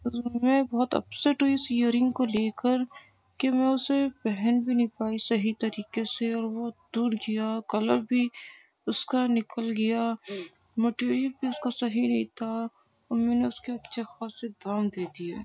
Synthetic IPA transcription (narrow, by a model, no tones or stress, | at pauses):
mɛ̃ːbɔɦʊt̪ɐ̰pseʈuisjəɾɪ̃ŋɡkoleːkəɾ | kemɛ̃ʊsebɛɦɛnbʱinĩpaːisɐɦit̪ɐɾiːkeseɔːɾʋod̪uːɾɡijakɐləɾbʱi | ʊskanɪkəlɡɐja | meːʈeːɾijəbʱiʊskasɐɦinɐɦĩt̪ʰa | ɔːɾmɛ̃ːneʊskeɐtːʃʰexaːsed̪aːmd̪eːd̪iɛː